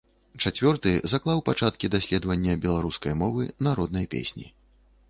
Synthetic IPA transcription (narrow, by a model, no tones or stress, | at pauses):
t͡ʂat͡sʲvʲɔrt̪ɨzaklˠawpat͡ʂat̪̚kʲid̪asʲlʲɛd̪vɐnʲːɐbʲɛlˠaɾuskɐjmɔvɨnaɾɔd̪̚nɐjpʲḛsʲnʲḭ